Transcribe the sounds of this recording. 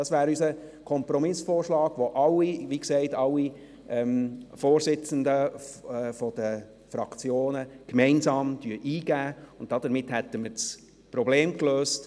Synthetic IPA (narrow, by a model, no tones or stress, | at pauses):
d̥ɑsʋæːɾysəkʰɔmpɾɔmɪsfoːrʃlɑːɡʋoʔɑlːiʋikseɪtɑlːi | ɛmfoːɾsɪt͡səndə | fɔd̥ə | fɾɑkʰt͡sjoːnəkmɛɪnsɑːmd̥yəʔiːɡ̥æːʊnt̚d̥ɑd̥̪əɾmɪthɛtːəmət͡s | pɾɔbleːmkløːst